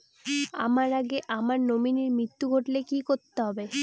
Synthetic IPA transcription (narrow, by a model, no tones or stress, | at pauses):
a̰maɾaɡeʔamaɾnominiɾmɾit̪ːuɡʱoʈlekikoɾt̪ːeɦɔbe